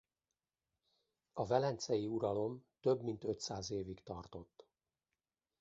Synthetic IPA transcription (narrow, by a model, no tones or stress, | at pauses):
ɒvɛlɛnt̪sɛjiuɾɒlo̞mt̪ø̞bmint̪øt̪saːzeːvikt̪ɒrt̪o̞t̪ː